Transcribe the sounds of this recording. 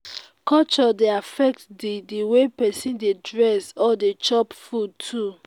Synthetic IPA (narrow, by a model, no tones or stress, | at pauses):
kɔt͡ʃɔdeafɛk̚tdidiwepɛsĩndedɹɛsɔdet͡ʃɔpfud̚tʰu